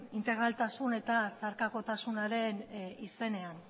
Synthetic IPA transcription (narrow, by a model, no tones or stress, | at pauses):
int̪e̞ɣ̞ɾalt̪asune̞t̪asaɾkako̞t̪asunaɾe̞nise̞ne̞an